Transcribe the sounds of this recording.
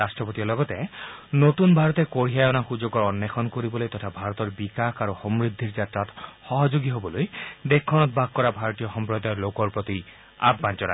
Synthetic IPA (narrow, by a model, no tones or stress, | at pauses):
asʈɹɔpot̪iɔlɔɡɔt̪ɛnot̪unbʱaɹɔt̪ɛkoɹiajɔnaxud͡ʒoɡɔɹɔnːekʰɔnkoɾibɔlojt̪ɔtʰabʱaɹɔt̪ɔɹbikakʰaɹuxɔmɹid̪ʱːiɹd͡ʒatɹat̪xɔɦɔd͡ʒoɡiɦobɔlojd̪ekʰːɔnɔt̪̚baɡ̚kɔɹabʱaɹɔt̪ijɔxɔmpɹɔd̪aɔlokɔɹpɹot̪i | a̰bmant͡ʃɔɾa̰